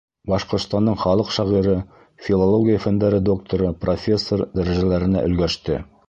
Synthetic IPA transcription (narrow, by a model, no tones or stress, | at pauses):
bɑʃqŏɾt̪st̪ɑnɤɴχɑlˠɤqʃɑʁiɾɤ | fʲilˠolˠoɡʲijəfænd̪æɾɘd̪o̞k̚t̪oɾɤprofʲe̞sːord̪æɾæʒælæɾɘ̆næ̰ʔɵ̆lɡæʃt̪ɘ̰